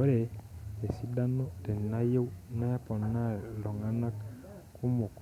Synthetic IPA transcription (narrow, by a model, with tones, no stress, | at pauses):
o˦ɾe˨e˨si˦da˦no˦te˨na˦je˦wna˦pɔ˨nːa˦˨lɔ˨ŋa˦na˦k | ku˦mo˨k